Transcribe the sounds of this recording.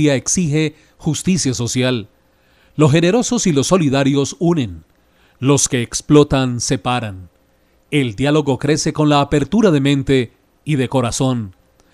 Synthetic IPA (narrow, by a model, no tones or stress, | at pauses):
aeksixe̞ | xust̪isjaso̞sjalː | o̞sxe̞ne̞ɾo̞so̞silo̞sːo̞liðaɾjo̞sunẽ̞n | lo̞ske̞ːksplo̞t̪anse̞paɾan | e̞ld̪jalo̞ɣo̞kɾe̞se̞ko̞nlaːpe̞ɾt̪uɾaðe̞mẽ̞nt̪e̞ | iðe̞ko̞ɾaso̞n